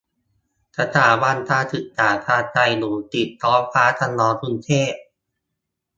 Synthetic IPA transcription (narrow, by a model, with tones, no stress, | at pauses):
sa˧t̪ʰaː˨˩˦ba˧nt̪ʰaː˧t̪ʰɯ˨˩t̪̚t͡ɕaː˨˩t̪ʰaː˧t͡ɕa˧jnuː˨˦t̪i˨˩t̪ʰːɔː˦˥fʰaː˦˥t̪ʰa˧nlɔː˧˥t̪ʰu˧nt̪ʰeː˥˩p̚